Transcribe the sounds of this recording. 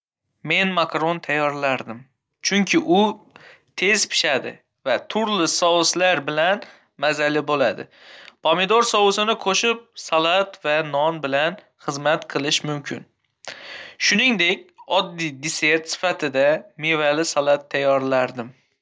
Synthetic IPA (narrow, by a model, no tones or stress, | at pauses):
me̞nmakɾont̪ʰajːɒɾlaɾd̪ɪm | t͡ʃʰʊŋkʲʰɪʔʊt̪ʰe̞zpʰɪ̥ʃad̪ɪ̰ | vat̪ʰʊɾlɪsɒwɨslaɾbɪlan | mazalɪbolad̪ɪ̰ | pʰomɪd̪oɾsɒwʊsɪnɪqʰoʃɪp̚salˠat̪vanɒnbɪlan | χɨzmat̪qʰɨlˠɪʃmʊmkʲʰɪ̰n | ʃʊnɪŋd̪e̞kʲɒd̪ːid̪ɪse̞ɾt̪sɪ̥fat̪ʰɪd̪amevalɪsalˠat̪ʰːajːɒɾlaɾd̪ɪm